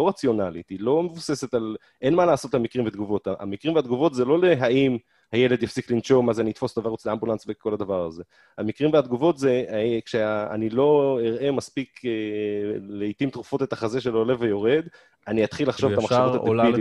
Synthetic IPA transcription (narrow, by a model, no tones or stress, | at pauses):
oʁat͡sjo̞nalit̪ilo̞me̞vuse̞se̞t̪al | ʔe̞nmalaːso̞t̪lemikʁimved̪ɡuvo̞t̪aa̰mikʁimvead̪ɡuvo̞t̪zelo̞leɦaim | haje̞led̪jafsiklinʃo̞mazeaniit̪fo̞st̪avaʁut͡sleambulansbeko̞lad̪avaʁaze̞ | hamikʁimvead̪ɡuvo̞t̪zekʃea̰nilo̞iʁe̞maspike | leit̪imt̪ʁufo̞t̪et̪aχazeʃ̬elole̞vejo̞ʁe̞d̪ | aniat̪χilːaχʃovtamaχʃavut̪ateii